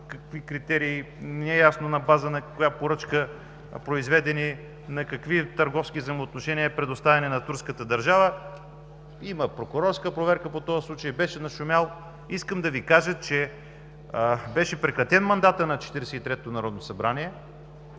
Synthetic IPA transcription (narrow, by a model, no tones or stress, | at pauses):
kɐkvikɾit̪ɛɾiː | nɛɛjasnonɐbazənɐkʊjapoɾɤt͡ʃkə | pɾoizvɛd̪ɛni | nɐkɐkvit̪ɐɾɡɔfskizɐjmoːt̪noʃɛniəpɾɛd̪ost̪avʲɛnɛnɐt̪uɾskət̪əd̪ɐɾʒavə | iməpɾokʊɾɔɾskəpɾovɛɾkəpot̪ɔɐslˠut͡ʃəjbɛʃɛnɐʃʊmʲjalˠ | iskəmd̪ɐvikaʒət͡ʃɛ | bɛʃɛpɾɛkɾɐt̪ɛnmɐnd̪at̪ənɐt͡ʃɛ̥t̪iɾɛsɛit̪ɾɛt̪onɐɾɔd̪nosɐbɾaniɛ